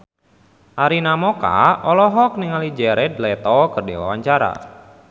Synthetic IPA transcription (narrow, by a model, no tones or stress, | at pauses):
ʔaɾinamɔka̰ɔlɔɦɔk̚niŋalid͡ʒɛɾɛd̪lɛt̪ɔkərdiwa̰waɲt͡ʃaɾa̰